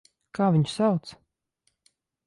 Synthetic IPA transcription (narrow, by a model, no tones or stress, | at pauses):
kaːvʲiɲsawt̪s